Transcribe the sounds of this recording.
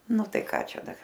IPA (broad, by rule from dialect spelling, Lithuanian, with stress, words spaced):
ˈnʊ ˈtɐɪ ˈkɑː ˈt͡ʃʲɛ ˈdɐr